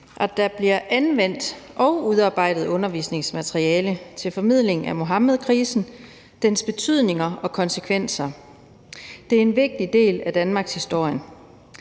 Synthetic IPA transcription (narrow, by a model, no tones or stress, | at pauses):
ʔæd̥æ̈b̥liɐʔænʋen̰d̥ʔɒ̽ʊuðˠɑ̈ːb̥ɑ̈ɪ̰d̥ð̞̩ˠɔ̽nɐʋḭːsne̝ŋsmæt͡sʰʁiɛːlət͡sʰe̝lfɒ̽mið̞̰ˠle̝ŋ̩æmo̝ɦɑ̈məð̞ˠkʰʁiːsn̩ | d̥ensb̥e̝t͡sʰyð̞̰ˠne̝ŋɐɒ̽kʰɒ̽nsəkʰʋen̰sɐ | d̥e̝æɐe̝nʋe̝ɡ̥̚d̥id̥e̝̰ːlæd̥ænmɑ̈ːɡ̥shisd̥o̝ɐ̰jən